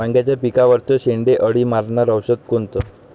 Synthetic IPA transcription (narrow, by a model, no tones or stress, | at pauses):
aŋɡjat͡ɕjapikaʋəɾt̪əɕeɳɖeʔəɽiːmaɾɳaɾəwɕət̪̚kont̪ə